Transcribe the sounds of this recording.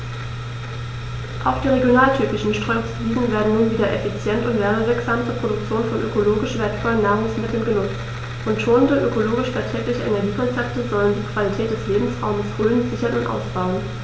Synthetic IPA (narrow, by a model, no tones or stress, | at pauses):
ʔaʊxd̥iːʁeɡjonaːltʰyːpɪʃn̩ʃtʁ̥ømsviːzn̩veːɐdn̩nuːnviːdɐʔɛfit͡sjɛntʊntvɛːʁəvɪɐkz̥aːmt͡suːɐpʁ̥odʊk̚t͡sjoːnfɔnʔø̰koloːɡɪʃvɛɐtkʰɔlnːaːɐʁʊŋsmɪtʰl̩nɡənʊt͡s | ʔʊntʃoːnəndəʔøkoloːɡɪʃfaːɐtʁ̥ɛːklɪçəʔenɛɐɡiːkʰɔnt͡sɛp̚təzɔləndiːkv̥alitʰɛːt̚d̥ɛsleːbm̩sʁa̰ʊməshøːlənzɪçɐnʊntʔa̰ʊsb̥aʊən